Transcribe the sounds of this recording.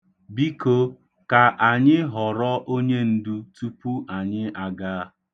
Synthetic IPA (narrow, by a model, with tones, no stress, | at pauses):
bi˦ko˦ | ka˨ʔa˨ɲɪ˦ɦɔ˨ɾɔ˦ʔo˦ɲe˦n̩˦du˦tu˦pu˦a˨ɲɪ˦ʔa˨ɡaː˦